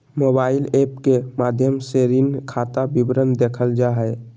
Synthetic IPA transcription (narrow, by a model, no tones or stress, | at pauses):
mobaːɪlepkemad̪ʱjəmseɾinkʰat̪abibɾənd̪ekʰəld͡ʒaɦɛ